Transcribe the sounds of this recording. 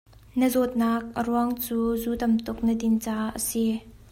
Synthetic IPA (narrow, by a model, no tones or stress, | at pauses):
nəzɔt̪̚nak̚ʔəruaŋt͡suːzuːt̪ɐmt̪ʊk̚nəd̪ɪnt͡saːʔə̰si